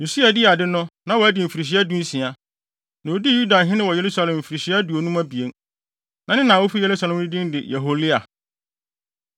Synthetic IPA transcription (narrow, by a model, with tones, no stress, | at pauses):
jo˨si˦a˨dɪ˦a˨dɪ˦nʊ̃˦nã˨wɔ˨æ˦dɪ˨m̩˨fi˨ɾi˨ɕ̬i˦a˦dũ˦n̩˦sĩ˨a˨ | nã˨o˦di˦ju˦da˨ɦɪ̃˦nɪ̃˦wɔ˨je˨ɾu˦sa˦lɛ̃˨m̩˨fi˨ɾi˨ɕi˦a˦du˨o˨nũ˦mã˦bi˨e˦n | nã˨nɪ̃˦nã˨wo˦fi˦je˨lu˦sa˨lɛ̃˨m˦nɪ̃˦dĩ˦n˦dɪ˨ja˨ɦo˦lɪ˦a˨